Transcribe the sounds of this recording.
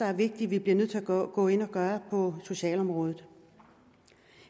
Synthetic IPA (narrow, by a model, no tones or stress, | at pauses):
ɑæɐʋe̝ɡ̥̚d̥iʋib̥liɐnøð̰ˠt͡s̝ʰæɡ̥ɔ̰̽ːe̝nɒ̽ɡ̥ɶːɐpʰɒ̽so̝ɕɛ̰ːlɒ̽mʁɔ̽ːð̞ˠð̩ˠ